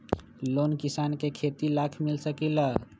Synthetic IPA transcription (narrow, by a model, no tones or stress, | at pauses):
lonkisankekʰet̪ilakʰmilsəkilə